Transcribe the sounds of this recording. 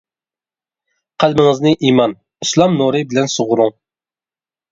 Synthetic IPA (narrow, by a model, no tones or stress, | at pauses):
qʰælmɪŋɨznɪʔimɑn | islˠɑmnuɾɨbɪlɛnsoʁʊɾuŋ